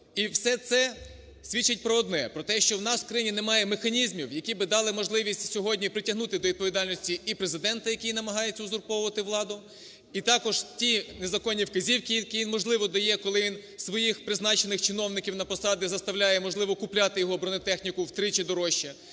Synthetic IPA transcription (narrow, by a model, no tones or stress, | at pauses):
iwsɛt̪sɛ | sʲʋʲit͡ʃːɐt̚ʲpɾɔːd̪nɛpɾɔt̪ɛʃt͡ʃɔwnɑsw̥kɾɐjinʲinemɑjɛmexɐnʲizmʲiwjɐkʲibɪd̪ɑlˠɪmɔʒlˠɪʋʲisʲtʲsʲɔɦɔdʲnʲipɾɪtʲɐɦnut̪ɪd̪ɔʋʲid̪̚pɔʋʲid̪ɑlʲnɔsʲtʲiːpɾezɪd̪ɛnt̪ɐjɐkʲijnɐmɐɦɑjeɛt͡sʲːɐʊzʊrpɔwʊʋɐt̪ɪʋlˠɑd̪ʊ | it̪ɑkɔʒtʲinezɐkɔnʲːiwkɐzʲiwkʲikʲijʲinmɔʒlˠɪʋɔd̪ɐjɛkɔlˠɪʋinsʋɔjixpɾɪznɑt͡ʃenɪxt͡ʃɪnɔwnɪkʲiwnɐpɔsɑd̪ʲɪzɐst̪ɐwlʲajɛmɔʒlˠɪʋɔkʊplʲat̪ɪjɔɦɔbɾɔnɔt̪ɛxnʲikʊwt̪ɾɪt͡ʃɛd̪ɔɾɔʃːɐ